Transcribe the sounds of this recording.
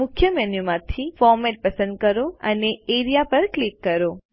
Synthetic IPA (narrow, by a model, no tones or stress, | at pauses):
mʊkʰjəmɛnjumãt̪ʰifɔɾmɛʈ̚pəsə̃nd̪̚kəɾoəneeɾijapəɾklikːəɾo